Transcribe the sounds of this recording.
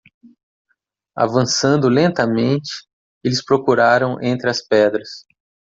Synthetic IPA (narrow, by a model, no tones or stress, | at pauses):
a̰vɐ̃sɐ̃nd̪ʊlẽnt̪ɐmẽnt͡ʃɪ̥ | elɪspɾokuɾaɾɐ̃w̃ʔẽnt̪ɾɪɐspɛd̪ɾɐs